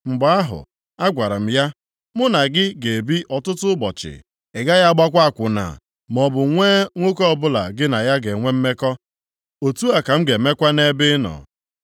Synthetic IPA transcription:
ŋ͡m̩˨ɡ͡ba˦a˦ɦʊ̰˨ | a˦ɡʷa˨ɾa˨m̩˦ja˦ | mʊ˦na˨ɡɪ˦ɡe˨e˨bi˦ʔɔ˨tʊ˦tʊ˦bɔ˨t͡ʃɪ̰˨ | ɪ˨ɡa˦ja˦ɡ͡ba˦kʷa˦a˨kʷʊ˨na̰˨ | m˨ɔ˨bʊ˨ŋʷe˦ŋʷo˦kɔ˦ɔ˦˨bʊ˦la̰˨ɡɪ˦na˨ja˦ɡe˨ŋʷe˦m̩˦me˦kɔ˦ | o˨tu˦a˨ka˨m̩˦ɡe˨˦me˦kʷa˦ne˦bɪ˦nɔ̰˨

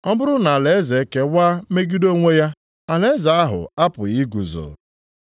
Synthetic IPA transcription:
ɔ˦bʊ˦ɾʊ˦na˨a˨le˨e˦ze˨˦ke˦waː˦me˦ɡi˦do˦ŋʷe˦ja˦ | a˨le˦za˨a˦ɦʊ̰˨a˦pʊ˨ɣi˦ɡʷu˨zʊ̰˨

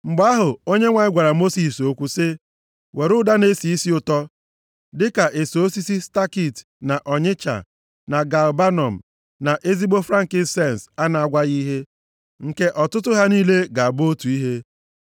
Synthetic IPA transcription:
ŋ͡m̩˨ɡ͡ba˦ɦʊ˨o˦ɲe˦ŋʷa˨ɲ˦ɡʷa˨ɾa˨mo˦si˨so˦kʷu˦sɪ˦ | wʔe˨ɾʊ˦da˦ne˦si˨i˦si˦ʊ˨tɔ˦ | dɪ˦ka˨ʔe˨so˨o˦si˦si˦sta˦ki˦˨t | na˨ʔɔ˨ɲɪ˦t͡ʃa̰˨ | na˨ɡa˨lba˦nɔ˨m̩˨ | na˨ʔe˦zi˦bo˦fɾa˦ŋ̩˨kɪ˨n̩˦˨se˦˨n˨sa˦na˨a˨ɡʷa˦ɣi˦ɦe˦ | ŋ̩˨ke˦ʔɔ˨tʊ˦tʊ˦ɦa˦niː˦le˦ɡa˨a˨bʊ˦o˦tu˨i˦ɦe˦

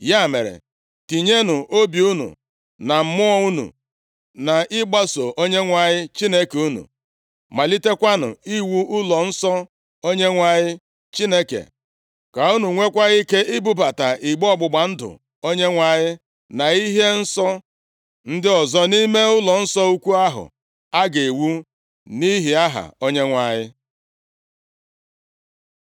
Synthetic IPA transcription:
ja˦˨mḛ˨ɾḛ˨ | ti˨ɲe˦nʊ˨ʔo˦bi˨u˦nṵ˨ | na˨m̩˨˦mʊ˦ɔ˦u˦nṵ˨ | na˨ɪ˦ɡ͡ba˦so˨ʔo˦ɲe˦ŋʷa˨ɲɪ˦t͡ʃi˦ne˦ke˨u˦nṵ˨ | ma˨li˦te˦kʷa˦nʊ̰˨i˦wu˦ʊ˦lɔ˨n̩˦sɔ˦ | o˦ɲe˦ŋʷa˨ɲɪ˦ | t͡ʃi˦ne˦kḛ˨ | ka˨u˦nu˨ŋʷe˦kʷa˦ɣi˦ke˦ʔɪ˦bu˦ba˨ta˨ʔi˨ɡ͡bɔ˦˨ɡ͡bʊ˨ɡ͡ba˨n̩˦dʊ̰˨ | o˦ɲe˦ŋʷa˨ɲɪ˦ | na˨i˦ɦe˦n̩˦sɔ˦ | n̩˦dɪ˦ɔ˨zɔ˦ni˦me˦ʊ˦lɔ˨n̩˦sɔ˦u˦kʷu˦a˦ɦʊ̰˨ | a˦ɡe˨wu˦ | ni˦ɦi˨a˦ɦa̰˨o˦ɲe˦ŋʷa˨ɲɪ˦

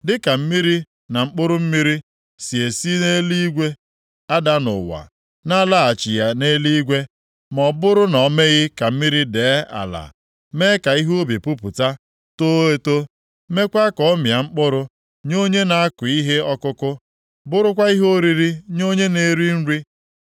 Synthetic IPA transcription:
dɪ˦ka˨m̩˦mi˦ɾi˦ | na˨ŋ͡m̩˦k͡pʊ˦ɾʊ˦m̩˦mi˦ɾi˦ | si˨e˨si˦ne˦li˦ɡʷe˦ | a˦da˦nʊ̰˨wa̰˨ | na˦la˦a˨t͡ʃi˨ja˨ne˦li˦ɡʷe˦ | mɔ˨bʊ˦ɾʊ˦nɔ˨˦me˦ɣɪ˦ka˨m̩˦mi˦ɾi˦deː˨˦a̰˨la̰˨ | me˦ka˨i˦ɦo˦bi˨pu˦pʊ˨ta˦ | to˦e˦to˦ | me˦kʷa˦kɔ˨˦mja˨ŋ͡m̩˦k͡pʊ˦ɾʊ˦ | ɲo˦ɲe˦na˨a˦kʊ˨i˦ɦe˦ɔ˦kʊ˦kʊ˦ | bʊ˦ɾʊ˦kʷa˦i˦ɦo˦ɾi˨ɾi˦ɲo˦ɲe˦ne˨˦ɾi˦n̩˦ɾi˦

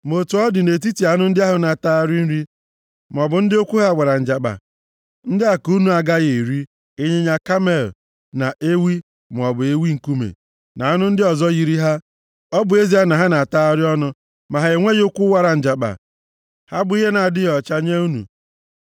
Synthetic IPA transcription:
mo˨tu˨ɔ˦dɪ˨ne˨t̬i˦ti˨a˨˦nʊ˦n̩˦dɪ˦a˦ɦʊ˨na˨ta˦a˦ɾi˦n̩˦ɾi˦ | m˨ɔ˨bʊ˨n̩˦dɪ˦o˦kʷu˦ɦa˦˨wʷa˨ɾa˨n̩˨d͡ʒa˨k͡pa̰˨ | n̩˦dɪ˦a˨ku˦nu˨a˨ɡa˦ɣe˨ɾi˦ | e˦ɲe˦ɲa˦ka˦me˨l | na˨ʔe˦wi˦ | m˨ɔ˨bʊ˨e˦wi˦ŋ̩˨ku˦mḛ˨ | na˨a˦nʊ˦n̩˦dɪ˦ɔ˨zɔ˦ɣi˨ɾi˦ɦa˦ | ɔ˦bʊ˨e˦zi˦a˦na˨ɦa˦na˨ta˦a˦ɾɪ˦ɔ˦nʊ˦ | ma˨ɦa˨ɣe˨ŋʷe˦jo˦kʷu˦wa˨ɾa˨n̩˨d͡ʒa˨k͡pa̰˨ | ha˦bʊ˨˦i˦ɦe˦na˨dɪ˦jɔ˨t͡ʃa˦ɲe˦u˦nṵ˨

